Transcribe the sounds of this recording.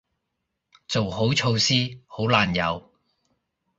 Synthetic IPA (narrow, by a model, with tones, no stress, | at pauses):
t͡so˨who˨˥wt͡ʃʰo˧wsiː˥ho˨˥wlaː˨njɐ̰˨˧w